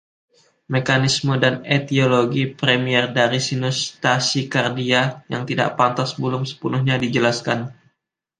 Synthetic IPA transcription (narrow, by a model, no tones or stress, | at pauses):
mekanismədanet̪ioloɡipɾemiɛrdaɾisinust̪asikardiajaŋt̪ida̰ʔpant̪asbəlʊmsə̥punʊhɲadid͡ʒəlaskan